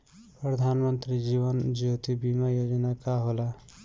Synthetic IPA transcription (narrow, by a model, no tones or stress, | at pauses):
pɾəd̪ʱanmənt̪ɾid͡ʒiʋənd͡ʒot̪ibimajod͡ʒənakaɦola